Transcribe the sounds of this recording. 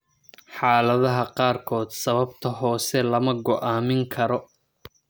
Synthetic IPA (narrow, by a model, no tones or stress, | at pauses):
ħɑːlɐðɐɦɐqɑːrkʰɔːd̪sɐβɐbt̪ʰɐɦɔːsɛlɐmɐɡɔʔaːmɪŋkʰɐɾɔ